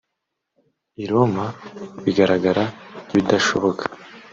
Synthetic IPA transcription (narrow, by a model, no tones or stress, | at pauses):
iɾomaβiɡaɾaɡaɾaɡβid̪aʃoβo̞kʰḁ